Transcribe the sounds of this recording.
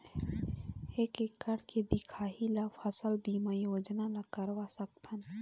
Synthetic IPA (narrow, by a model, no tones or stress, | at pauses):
ekekːəɽked̪ɪkʰaːɦilapʰəsəlbiːmajoːd͡ʒnalakəɾʋasəkt̪ʰən